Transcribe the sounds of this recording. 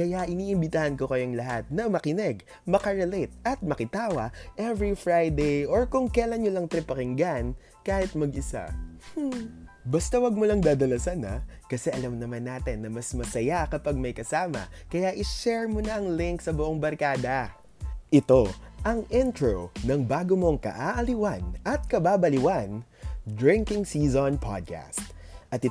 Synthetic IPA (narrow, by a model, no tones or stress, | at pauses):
kɐjaʔɪniːʔɪmbɪt̪aːhɐnko̞kɐjoŋlɐɦat̪̚nɐmɐkɪnɛɡ | mɐkɐɹɛlɛt̪̚ɐt̪̚mɐkɪt̪aːwɐʔɛvɹifɹajd̪ejʔoɹkʊŋkɛɐlɐnɲolɐŋt̪ɾɛpɐkɪŋɡan | kaːhɪt̪̚mɐɡʔɪsa̰ | bɐst̪ɐwɐɡ̚molɐŋd̪aːd̪ɐlɐsanɐ̰kɐsɛʔɐlamnɐmanːaːt̪ɪnːɐmɐsmɐsɐjakɐpaɡ̚mɐjkɐsaːmɐ̰kɐjaʔɪʃɛɹmonɐʔɐŋlɪŋksɐbʊʔoŋbɐɾkaːd̪ɐ | ʔɪt̪o̞ʔɐŋʔɛnt̪ɹonɐŋbaːɡomo̞ŋkɐ̰ʔaːʔɐliwanɐt̪̚kɐbaːbɐlɪwand̪ɹɪŋkɪŋsizonpʰa̰d̪̚ka̰st̪ʔɐt̪ɪ